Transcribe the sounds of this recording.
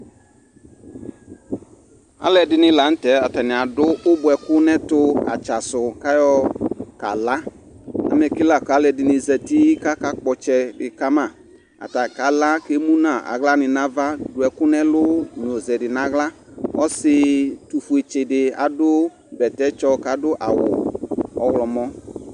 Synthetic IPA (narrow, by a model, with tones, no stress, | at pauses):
a̰˦lɛ˨dɪ˧nɪ˨˦la˨˦n̩˦tɛ˨˦a˨ta˨nɪ˨a˨dʊ˦ʔʊ˦bʊ˨ɛ˨kʊ˦nɛ˦tʊ˧a̰˨t͡ʃa˨sʊ˨ka˦jɔ˧ka̰˨la˦ | a̰˨m˦ɛ˨ki˦la˦˨ka˨˦lɛ˧dɪ˨nɪ˧zɛ˨ti˦ka˦ka˦k͡pɔ˧t͡ʃɛ˧bɪ˨ka˦ma˦˨ | a̰˨ta˨ka˨˦la˦ke˦mu˦na˨a̰˨ɣla˦nɪ˧na˦va˦dʊ˨ɛ˨kʊ˦nɛ˦lʊ˦n˨o˨zɛ˨dɪ˨na˨ɣla˦ɔ˦sɪ˧tu˨fu˨e˨t͡ʃɪ˨dɪ˨a̰˨dʊ˦ | bɛ˨tɛ˦t͡ʃɔ˧ka˨˦dʊ˦ʔa̰˨wʊ̰˨ɔ˨ɣlɔ˨mɔ˦